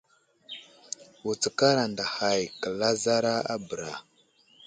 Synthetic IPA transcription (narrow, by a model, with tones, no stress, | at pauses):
wu˨t͡sə˨ka˦ɾa˨nda˨ha˨jkə˨la˦za˦ɾa˦a̰˦bə˨ɾa˨